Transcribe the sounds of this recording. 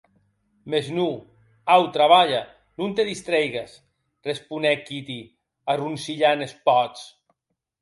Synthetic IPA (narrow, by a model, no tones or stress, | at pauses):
meznu | awt̪ɾaβaʎa | nunt̪eðist̪ɾejɣas | respunɛkit̪i | arunsiʎanespɔt͡s